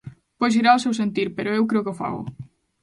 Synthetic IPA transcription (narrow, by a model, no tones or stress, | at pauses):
pojʃ̬iɾaʊsewsent̪iɾpeɾʊewkɾeokeofa̰ɣʊ̰